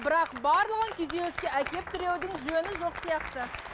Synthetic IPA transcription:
bɪɾɑqbɑɾlˠəʁəŋkʲʰezewɵskʲe̞ʔækʲe̞p̚t̪ʰʏɾe̞wd̪ɪŋʒønɪʒo̞qsijɑqt̪ə

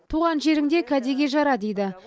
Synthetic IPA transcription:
t̪ʰuʁɑnʒe̞ɾɪŋd̪e̞kʲʰæd̪e̞ɡʲe̞ʒɑɾɑd̪ejd̪ɪ

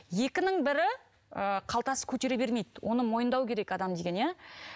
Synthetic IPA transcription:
je̞kʲɪnɪŋbɪɾɪ | əqʰɑlˠt̪ɑsə̥kʲʰɵt̪e̞ɾe̞be̞ɾme̞jd̪ɪwʔo̞nəmo̞jənd̪ɑwkʲʰe̞ɾe̞kɑd̪ɑmd̪e̞ɡʲenje

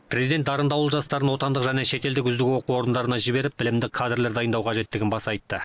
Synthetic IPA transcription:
pʰrʲe̞zid̪et̪d̪ɑɾənd̪ɑwəlˠʒɑst̪ɑɾənwo̞t̪ɑnd̪əqʒæne̞ʃe̞t̪eld̪ɪkʲʏzd̪ɪɡʲɪwo̞quwo̞ɾənd̪ɑɾənɑʒɪbe̞ɾɪp̚bɪlɪmd̪ɪkʰːad̪rle̞ɾd̪ɑjənd̪ɑwqʰɑʒe̞t̪ːɪɡʲɪnbɑsɑjt̪ːə

